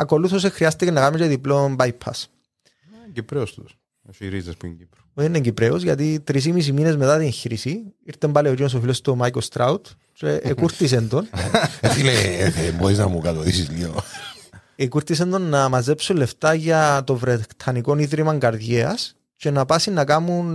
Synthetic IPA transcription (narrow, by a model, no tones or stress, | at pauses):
ɐko̞luθos̬exɾiɐst̪ecenɐɣameceðiploombajpʰːɐ̰s | ɲɟipɾeost̪us | iɾizɐspuiɲɟipɾu̥oðineɲɟipɾeozʝɐt̪it̪ɾis̬imis̬imine̞zme̞t̪at̪ieɲçiɾisiiɾt̪embɐleocinos̬ofilost̪omajkost̪ɾaut̪ | t͡ʃeʔekuɾt̪is̬end̪o̞nefileeboɾiznɐ̰mukɐt̪oðisizlio̰ | ekuɾt̪ise̞nd̪o̞nːɐmɐzepsulːe̞ft̪aʝɐt̪o̞vɾet̪ʰɐniko̞niðɾimɐŋɡɐɾðjeɐs | ce̞nɐpasinːɐkamun